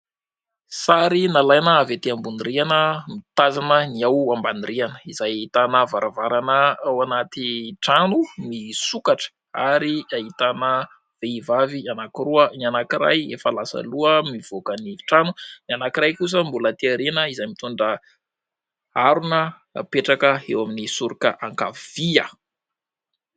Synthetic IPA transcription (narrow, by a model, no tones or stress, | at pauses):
saɾinalajnəavet̪iambuniɾianəmit̪azanəniawambanirianəizajit̪anəvaɾʔavaɾanəawanat̪iʈ͡ʂanumisukaʈ͡ʂə̥ | aɾiaɦit̪anə | v̥eivavianakiɾuənianakiɾa̰jefalasə̰luəmiv̥okəniʈ͡ʂanunianakiɾajkus̬əmbulət̪iaɾenəizajmit̪uɳɖ͡ʐə | aɾunə | peʈ͡ʂakəewaminisuɾikə̰ʔaŋka̰v̥iə